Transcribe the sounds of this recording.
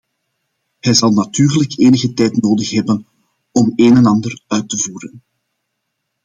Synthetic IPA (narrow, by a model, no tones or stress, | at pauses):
hɛjzɑlˠnatyːrləkʰeːnəɣətɛjtnoːdəxɦɛbən | ɔmeːnɛnɑndərœɥtəvuːɾən